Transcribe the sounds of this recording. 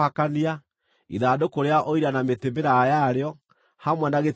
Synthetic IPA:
akania | ḭðaːdokoɾeaʔoiɾanametemeɾajaɾeɔ | hamwɛnaɣet

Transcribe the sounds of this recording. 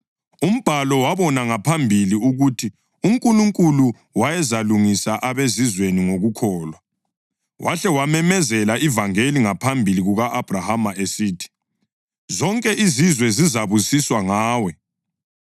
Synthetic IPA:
um̩b̥ʱalɔwaβɔnaŋapʰambʱiliuɣutʰi | uŋkʼuluŋkʼulu | wajɛzaluŋisaʔaβezizweniŋoɣukʰɔːlwa | wʔaɬɛwamɛmɛzɛlaʔivaŋeliŋapʰambʱiliɣuɣaʔab̥ʱrahamaʔesiːtʰi̥ | zɔŋkʼɛʔizizwɛzizaβusiswaŋaːwɛ

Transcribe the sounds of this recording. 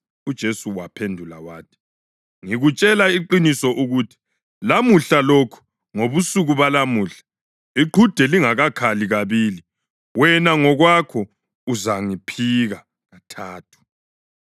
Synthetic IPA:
ud̥ʒ̥ʱesuwapʰendʱula̰waːtʰi̥ | ŋiɣut͡ʃʼɛlaiǃinisɔʔuɣuːtʰi̥ | lamuɬalokʰu̥ | ŋoβusuɣuβalamuːɬḁ | iǃʱud̥ʱɛliŋaɣakʰaliɣaβili | wɛnaŋɔɣwakʰɔ | uzaŋipʰiɣa | ɣatʰaːtʰu̥

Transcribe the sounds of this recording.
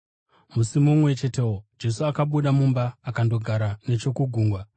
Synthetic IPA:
musimumwe̞t͡ʃe̞te̞wod͡ʒe̞suakaɓuɗamumbaːkando̞ɡʱaɾane̞t͡ʃo̞kuɡʱuːŋɡwa

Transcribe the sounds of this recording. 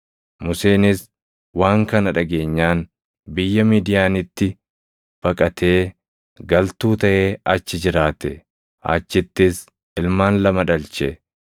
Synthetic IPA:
mʊse̞ːnɪs | waːŋkɐnɐᶑɐɡe̞ːɲːaːn | bɪjːɐmiːd̪ɪjaːnɪt̪ːɪ | b̥ɐkʼɐt̪ʰe̞ː | ɡɐlt̪uːt̪ɐʔe̞ːʔɐt͡ʃːɪd͡ʒɪɾaːt̪ɛ | ʔɐ̰t͡ʃːɪt̪ːɪs | ɪlmaːnlɐmɐᶑɐlt͡ʃɛ

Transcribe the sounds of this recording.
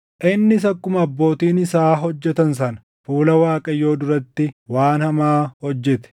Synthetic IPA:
ʔɪnːɪs̬ɐkːʊmɐɐbːo̞ːt̪iːnɪsaːɦɔd͡ʒːɛt̪ɐnsɐnɐ̥ | fuːlɐwaːkʼɐjo̞ːd̪ʊɾɐt̪ːɪwaːnhɐmaːhɔd͡ʒːɛt̪ɛ̥

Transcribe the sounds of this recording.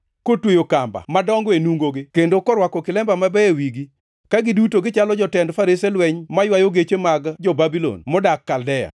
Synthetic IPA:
kotwejokamba̰madɔŋɡwenuŋɡoɡɪkendokɔɾwakɔkɪlɛmbamabɛewiɡi | kaɡɪdutoɡɪt͡ʃalɔd͡ʒɔtɛndfaɾiselwɛɲmajwajoɡet͡ʃemaɡd͡ʒɔbabilɔ̰nmɔdakːaldɛja̰

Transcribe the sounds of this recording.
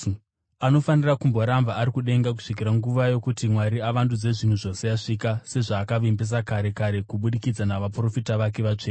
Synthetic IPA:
ano̞fanirakumbo̞ɾambaːɾikuɗe̞ŋɡak̬u̥ʂik̬iɾaŋɡuʋajo̞kutimwaɾiaʋandud͡ze̞ʐin̤uʐo̞se̞jaʂikase̞ʐaːkaʋimbes̬akaɾe̞kaɾe̞kuɓuɗikid͡zanaʋapro̞fitaʋak̬e̞ʋat͡ʂeː

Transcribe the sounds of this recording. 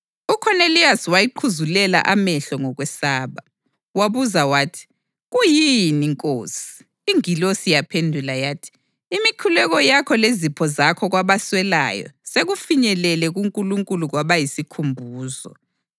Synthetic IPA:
ukʰɔneliaswajiǃʰuzulɛla̰ʔamɛɬɔŋɔɣwɛsaːβa | waβuzawaːtʰi̥ | ɣujiniŋkʼoːsi̥ː | ŋilosijapʰendʱulajaːtʰi̥ː | mikʰulɛɣɔjakʰɔlezipʰɔzakʰɔɣwaβaswɛla̰jɔ̰seɣufiɲɛlɛlɛɣuŋkʼuluŋkʼuluɣwaβajisikʰumbʱuːzɔ̰

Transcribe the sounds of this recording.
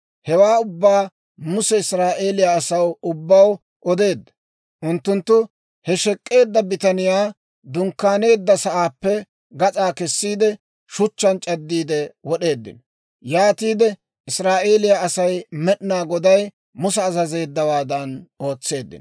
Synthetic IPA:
hɛwaːʊbːaː | mʊsɛɪsɾaːʔe̞ːlɪjaːsɐwʊbːɐw | ʔɔd̪e̞ːd̪ːɐ̥ | ʔʊnt̪ːʊnt̪ːʊ | hɛʃɛkʼːe̞ːd̪ːɐbɪt̪ɐnɪjaː | d̪ʊŋkːaːne̞ːd̪ːɐsɐʔaːpːɛ | ɡɐt͡sʼaːkɛsːiːd̪ɛ | ʃʊt͡ʃːɐnt͡ʃʼɐd̪ːiːd̪ɛwɔɗe̞ːd̪ːɪ̰n | jaːt̪iːd̪ɛ | ɪsɾaːʔe̞ːlɪjaɐsɐjmɛɗnaːɡɔd̪ɐj | mʊs̬ɛːzɐze̞ːd̪ːɐwaːd̪ɐno̞ːt͡sːe̞ːd̪ːɪ̰n

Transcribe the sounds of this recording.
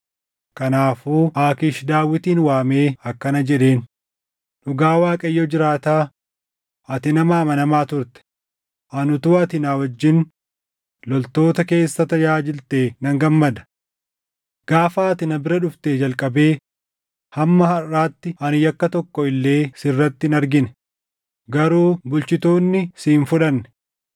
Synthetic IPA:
kɐnaːfuːʔaːkɪʃd̪aːwːɪt̪iːnwaːme̞ːɐkːɐnɐd͡ʒɛᶑe̞ːn | ᶑʊɡaːwaːkʼɐjːɔd͡ʒɪɾaːt̪aː | ʔɐt̪ɪnɐmaːmɐnɐmaːt̪ʊɾt̪ɛ̥ | ʔɐnʊt̪uːɐt̪ɪnaːwɐd͡ʒːɪn | lɔlt̪o̞ːt̪ɐke̞ːsːɐt̪ɐd͡ʒaːd͡ʒɪlt̪eːnɐŋɡɐmːɐd̪ɐ̥ | ɡ̥aːfaːɐt̪ɪnɐbɪɾɐᶑʊft̪eːd͡ʒɐlkʼɐbe̞ː | hɐmːɐɦɐrːaːt̪ːɪʔɐnɪjɐkːɐt̪ɔkːɔɪlːe̞ːsɪrːɐt̪ːɪnɐɾɡɪnɛ̥ | ɡɐɾuːbʊlt͡ʃɪt̪o̞ːnːɪsiːnfʊᶑɐnːɛ̥

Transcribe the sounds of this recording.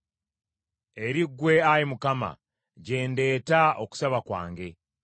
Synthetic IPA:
e̞ɾiɡːwe̞ajimukama̰ | ɟe̞ːnde̞ːtao̞ku̥saβakwa̰ːŋɡe̞

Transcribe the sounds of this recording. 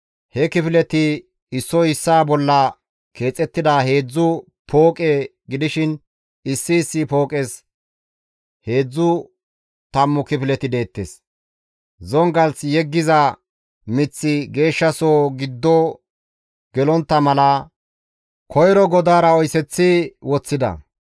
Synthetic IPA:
hɛkɪfɪlɛt̪ɪ | ɪsːɔɪsːaːbɔlːɐ | ke̞ːt͡sʼɛt̪ːɪd̪aːhe̞ːd͡zːʊ | pʰo̞ːkʼe | ɡɪd̪ɪʃɪn | ɪsːɪːsːɪpo̞ːkʼes | he̞ːd͡zːʊ | t̪ɐmːʊkɪfɪlɛt̪ɪd̪e̞ːt̪ːḛːs | zɔŋɡɐlt͡sjɛɡːɪzɐ | mɪt͡sːɪɡe̞ːʃːɐsoːɡɪd̪ːɔ | ɡ̥ɛlɔnt̪ːɐmɐlɐ | kʰɔjɾɔɡɔd̪aːɾɐɔjsɛt͡sːɪwɔt͡sːɪd̪ɐ̰

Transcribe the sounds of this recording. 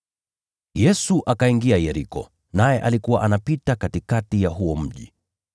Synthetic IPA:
jɛsuʔakaiŋɡiajɛɾikɔ̰ | najɛʔalikuwa̰ʔanapitakatikatijaɦuɔm̩ʄḭ

